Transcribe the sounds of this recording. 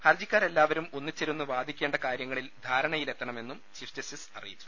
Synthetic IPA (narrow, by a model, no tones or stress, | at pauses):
hɐrd͡ʑikʲːaːre̞lːaːʋɐɾumo̞nːit͡ɕːeɾunːuʋaːd̪ʱikʲːe̞ːɳɖɐkaːɾjɐŋːɐɭild̪ʱaːɾɐɳɐjile̞t̪ːɐɳɐme̞nːumt͡ɕiʂtɐsisɐ̰rijit͡ɕːu̥